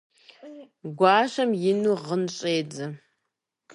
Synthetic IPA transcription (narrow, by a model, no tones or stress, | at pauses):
ɡʷaːɕɐmjɪnuʁənɕʼeːd͡zɐ